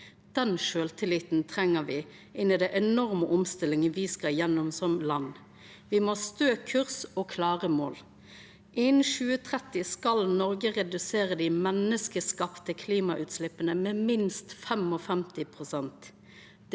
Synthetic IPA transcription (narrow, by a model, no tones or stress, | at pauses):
d̪̥ɛnʃøːlt̪ʰɪlɪt̪n̩t̪ʰʁɛŋːəʋɪ | ʔɪnːɪd̪ɛʔɛnɔʁməʔɔmst̪ɪlɪŋənʋiːskɑjɛnːɔmsɔmlɑnː | ʋɪmɔst̪øːkʰʉʁsɔkʰlɑːʁəmoːl | ʔɪnʃʉːət̪ʰʁɛt̪ɪskɑlnɔʁɡəʁɛd̪ʉseːʁəd̪ɪmɛnːəskəskɑpt̪əkʰliːmɑʔʉːt̪slɪpənəmɛːmɪnst̪fɛmɔfɛmt̪ɪpʰʁʊsɛnt̪